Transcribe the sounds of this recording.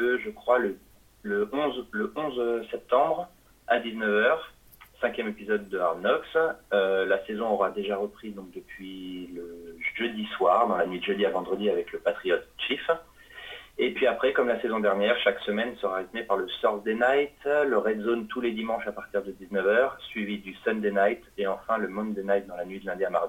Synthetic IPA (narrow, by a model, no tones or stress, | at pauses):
əʒəkχwalə | ləɔ̃zləʔɔ̃zsɛp̚t̪ɑ̃bʁ | ad̪iznəvœʁ | sɛ̃kʲjɛmepizɔd̪ːəaʁnɔksølasezɔ̃ɔʁad̪eʒaʁəpχid̪ɔ̃k̚d̪əpɥiləʒød̪iswaʁd̪ɑ̃lanɥid̪əʒød̪iavɑ̃d̪ʁəd̪iavɛkləpat̪χijɔt̪̚ʃif | epɥiapχɛkɔmlasezɔ̃d̪ɛʁnjɛʁʃaksəmɛnsəʁaʁit̪mepaʁləsɔʁd̪enajt̪ləʁɛd̪zont̪ʰuled̪imɑ̃ʃapaʁt̪iʁd̪əd̪iznəvœʁsɥivid̪ysɛnd̪enajt̪eɑ̃fɛ̃ləmɔ̃nd̪enajt̪̚d̪ɑ̃lanɥid̪əlɛ̃d̪iamaʁd̪i